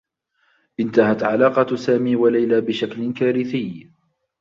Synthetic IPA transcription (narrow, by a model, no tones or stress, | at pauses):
ʔɪnt̪ahat̪ʕalaːqɑsaːmiːwalajlaːbɪʃaklɪkaːɾɪθɪj